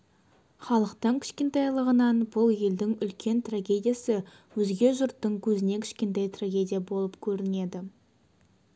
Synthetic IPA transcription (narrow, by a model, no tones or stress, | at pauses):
χɑlˠəqt̪əɴkʲʰɪ̥ʃkʲe̞nt̪ɑjlˠəʁənɑnbʊlˠje̞ld̪ɪŋʏlkʲʰe̞nt̪raɡʲe̞d̪ʲijasɪ | wɵzɡʲe̞ʒʊɾt̪ːəɴkʲʰɵzɪne̞kʲʰɪ̥ʃkʲe̞nt̪ejt̪raɡʲe̞d̪ʲijabo̞lˠəpkʲʰɵɾɪne̞d̪ɪ